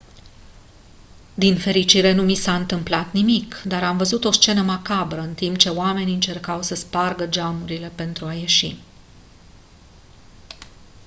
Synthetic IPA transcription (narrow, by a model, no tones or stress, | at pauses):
d̪infe̞ɾit͡ʃiɾe̞numisaɨnt̪ɨmplat̪nimikd̪aɾamvəzut̪o̞st͡ʃe̞nəmakabɾəɨnt̪imp̚t͡ʃe̞oame̞niɨnt͡ʃe̞rkawsəsparɡəd͡ʒamuɾile̞pe̞nt̪ɾuaje̞ʃḭ